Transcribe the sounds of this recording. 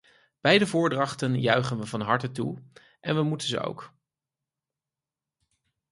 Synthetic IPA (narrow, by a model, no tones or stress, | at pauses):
b̥ɛjdəvʊːɹdrɑχtənjœɥχənʋəvɑnɦɑɹtətu | ʔɛnʋəmutənzə̰o̰wk